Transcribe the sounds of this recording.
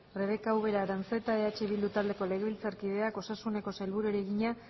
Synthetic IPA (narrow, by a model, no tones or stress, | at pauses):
re̞βe̞kawβe̞ɾaɾant͡se̞t̪ae̞at͡ʃe̞βild̪ut̪ald̪e̞ko̞le̞ɣeβilt͡saɾkið̞e̞ako̞sasune̞ko̞sajlβuɾueɾe̞ɣiɲa